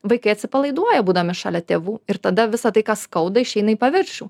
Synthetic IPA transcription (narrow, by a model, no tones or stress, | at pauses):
ʋɐɪkɐɪɐt̪ʲsʲɪpɐlˠɐɪd̪uɔjɛbuːd̪ɐʋɪʃɑːlʲɛt̪ʲeːʋuːɪɾt̪ɐd̪ɐʋʲɪsɐt̪ɐɪkɑːskɐʊd̪ɐɪʃʲɛɪnɐiːpɐʋʲɪɾʲʃʲuː